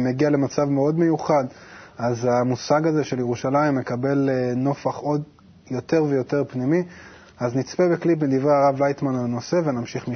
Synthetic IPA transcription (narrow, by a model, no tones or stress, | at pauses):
meɡiale̞mat͡savmeo̞dme̞juχadazamusaɡazeʃe̞ljeʁuʃalaimːekabe̞lno̞faχo̞d | jo̞te̞ʁve̞jo̞teʁpnimi | aznit͡spebeklip̬med̪ivʁeaʁavlajt̪manalno̞se̞ve̞namʃiχmi